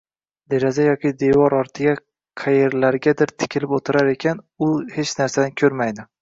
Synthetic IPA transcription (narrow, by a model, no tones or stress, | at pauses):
d̪e̞ɾɒzajɒkʲɪd̪e̞vɒɾɒɾt̪ʰɪɡʲa | qʰajeɾlaɾɡʲad̪ɪɾt̪ʰɪ̥kʲʰɪlɪpot̪ʰɪɾaɾe̞kʲʰan | ʊhet͡ʃnaɾsad̪ankʲʰɵɾmajd̪ɪ